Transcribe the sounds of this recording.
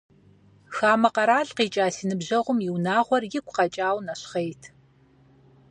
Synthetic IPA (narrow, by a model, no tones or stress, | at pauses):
xaːmɐqɐɾaːɮqiːt͡ʃʼaːsiːnɨbʑɐʁʷʊmjɪwnaːʁʷɔrjɪkʷʰʼqɐt͡ʃʼaːwnɐɕχejtʰ